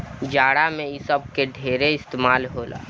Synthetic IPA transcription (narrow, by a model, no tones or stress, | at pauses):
d͡ʒaːɽamẽisəb̚keɖʱeːɾeɪst̪eːmaːlɦoːla̰ː